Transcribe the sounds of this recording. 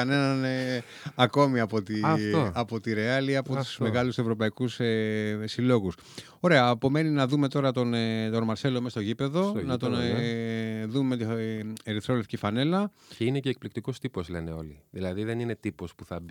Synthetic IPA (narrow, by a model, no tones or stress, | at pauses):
ɐne̞nɐne | ɐko̞miɐpo̞t̪iɐpo̞t̪iɾe̞ɐliɐpo̞t̪u̥zmme̞ɣɐluse̞vɾo̞pɐikusesilo̞ɣus | o̞ɾe̞ɐːpo̞me̞ninɐðume̞t̪o̞ɾɐt̪o̞nt̪onmɐɾse̞lomest̪o̞ʝipe̞ðo̞nɐt̪o̞n | ðummet̪ieɾiθɾo̞le̞fcifɐne̞lɐ | ceine̞ce̞ːk̚plik̚t̪iko̞st̪ipo̞zle̞neo̞liðilɐðiðe̞nine̞t̪ipo̞spuθɐb